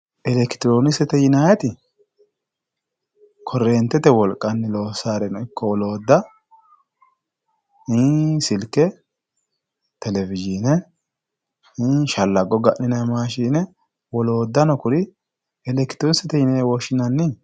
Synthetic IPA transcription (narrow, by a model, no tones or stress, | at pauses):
ʔɛlɛkɪ̥t̪ɪɾoːnɪsɛt̪ɛjɪnajɛt̪ɪ | kʰɔrːeːnt̪ːɛt̪ɛwɔlkʼːɐnːɪlo̞ːsaːɾɛnɔɪkʰːɔwɔloːd̪ːɐ | hiːsɪlkːɛ | t̪ɛlɛvɪd͡ʒiːnɛ | hiːʃɐlːɐɡɔɡɐʔnɪnɐmaːʃiːnɛ | wɔlo̞ːd̪ːɐnɔkʊɾɪ | ɛlɛkt̪ɪɾonɪsɛt̪ɛjɪnajɛwɔʃɪnɐnːɪ